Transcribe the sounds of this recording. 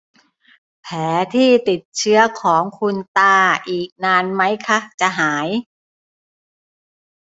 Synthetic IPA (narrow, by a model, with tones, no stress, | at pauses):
pʰɛː˩˦t̪ʰiː˥˩t̪i˨˩t̪̚t͡ɕʰɯ˦˥ɐkʰɔː˩˦ŋkʰu˧nt̪aː˧˩ʔiː˨˩k̚naː˧nma˦˥jkʰa˦˥t͡ɕa˨˩ɦaː˩˦j